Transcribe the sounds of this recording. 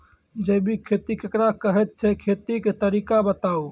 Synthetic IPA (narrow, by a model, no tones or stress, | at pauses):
d͡ʒejbʱikʰet̪ikekɾakəɦɛt̪̚t͡ʃʰɛkʰet̪iket̪əɾikabət̪au